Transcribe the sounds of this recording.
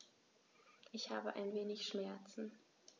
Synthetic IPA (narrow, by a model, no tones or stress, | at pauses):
ʔɪçhaːbəʔa̰ɪnveːnɪçʃmɛɐt͡sn̩